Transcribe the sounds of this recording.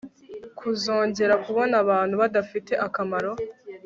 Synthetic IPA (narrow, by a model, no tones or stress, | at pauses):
kʰuzo̞ːɲɟe̞ɾakuβo̞naβaːn̥huβadafite̞ʔakamaɾo̞